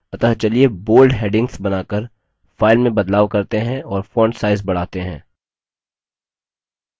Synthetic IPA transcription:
ɐt̪əɦt͡ʃɐlieboːlɖɦeːɖɪ̃ŋɡsbɐnaːkəɾ | faːɪlmẽbɐd̪laːʋkɐɾt̪eɦɛ̃ɔːɾfɔ̃ːɳɖsaːɪzbɐɽ̤aːt̪eɦɛ̰̃ː

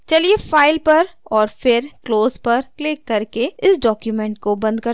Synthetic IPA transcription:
t͡ʃɐliefaːɪlpɐɾɔːɾfɪɾkloːzpɐɾklɪkːɐɾkeɪsɖɔːkjumɛ̃ːɳʈkobɐ̃nd̪̚kɐɾ

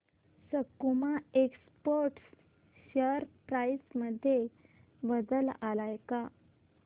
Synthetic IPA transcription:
səkːumaekspoɾʈs | ɕəɾpɾaisməd̪ʱje | bəd̪əlalajka

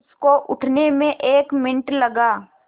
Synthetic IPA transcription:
skoʔʊʈʰnemẽʔeːkmɪ̃nɪʈlɐɡaː

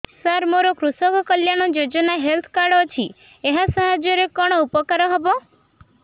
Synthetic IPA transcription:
saɾmoɾɔkɾusɔkɔkəljaɽ̃ɔd͡ʒod͡ʒɔnaɦelt̪ʰkaɾɖɔt͡ʃʰi | eɦasɔɦad͡ʒjɔɾekɔɽ̃ɔupɔkaɾɔɦɔbɔ

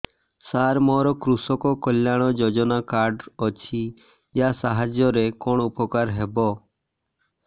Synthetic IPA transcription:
saːɾmoːɾoːkɾusokoːkoljaːɽ̃oːd͡ʒoːd͡ʒonaːkaːɾɖot͡ʃʰiː | jaːsaːɦad͡ʒjoːɾeːkoːɳupoːkaːɾɦeːboː

